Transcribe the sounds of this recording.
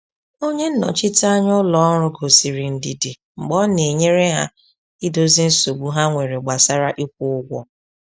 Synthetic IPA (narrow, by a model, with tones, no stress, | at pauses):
o˦ɲe˦n̩˦nɔ̰˨t͡ʃɪ˦ta˦ɲʊ˦lɔ˦ɾʊ˦ɡo˨si˨ɾi˨n̩˦di˦di˨ | ŋ͡m̩˨ɡ͡bɔ˦ne˨ɲe˦ɾe˦ɦa˦ | i˦do˦zi˦n̩˦so˨ɡ͡bu˦ɦa˦ŋʷe˨ɾe˨ɡ͡ba˨sa˦ɾa˦ʔi˦kʷʊ˦ʊ˦ɡʷɔ˦